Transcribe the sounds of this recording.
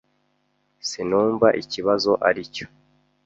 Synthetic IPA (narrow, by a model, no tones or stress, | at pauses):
sinuːɱvaʔiciβazo̞ʔaɾico̥